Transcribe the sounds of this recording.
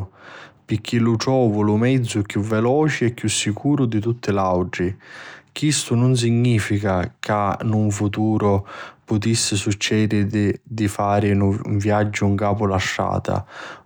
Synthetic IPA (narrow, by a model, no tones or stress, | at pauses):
pɪkʰːilʊʈɔːvʊlʊmɛd̪zːʊkjuvːɛlɔːt͡ʃɪɛkːjusːikuːɾʊd̪it̪̬ut̪ʰːɪlawʈɾikist̪ʊnʊns̬iɲːiːfikakanuɱfut̪uːɾʊpʊt̪isːɪsut͡ʃːɛːd̪ɪd̪ɪd̪ifaːɾɪuɱvjad͡ʒːʊuŋkaːpʊlaʃːa̰ːt̪a̰